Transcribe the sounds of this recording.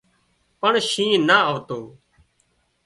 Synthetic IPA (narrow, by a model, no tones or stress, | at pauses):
pəɳʃĩːnaːəʋt̪oː